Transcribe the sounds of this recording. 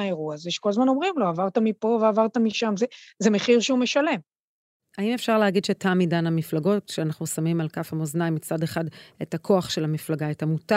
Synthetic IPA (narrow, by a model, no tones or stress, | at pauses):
aeʁuazeʃe̥kolazmano̞mʁimloavaʁt̪amipo̞veavaʁt̪amiʃamzezemeχiʁʃeumeʃale̞m | aime̞fʃaʁleaɡidʃetʰamidanamiflaɡo̞tʃeanaχnusamimalkafhamoznajmit͡sade̞χadetakʰo̞aχʃelamiflaɡaetamuta